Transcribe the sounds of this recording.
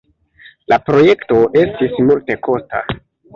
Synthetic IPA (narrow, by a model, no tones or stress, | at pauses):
lapɾo̞je̞kto̞ʔe̞stismulte̞ko̞sta̰